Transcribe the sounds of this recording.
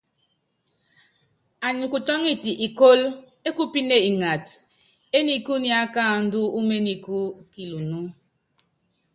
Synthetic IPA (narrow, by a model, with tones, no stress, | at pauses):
a˨ɲi˨ku˨tɔ˦ŋi˦ti˨ʔi˨ko˦l | e˦ku˦pi˦ne˦i˨ŋa˨t | e˦ni˦ku˦ni˦a˦ka˦˨n̩˦du˦u˦me˦ni˨ku˦ki˨lu˨nu˦